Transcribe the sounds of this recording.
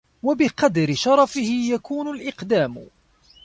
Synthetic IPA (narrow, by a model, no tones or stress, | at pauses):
wabɪqɑd̪ɾɪʃɑɾˤɑfɪhɪjakuːnʊlʔɪqd̪aːm